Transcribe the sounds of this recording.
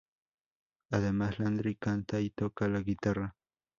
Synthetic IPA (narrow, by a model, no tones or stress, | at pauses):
aðemasland̪ɾikant̪ajt̪okalaɡɪt̪ara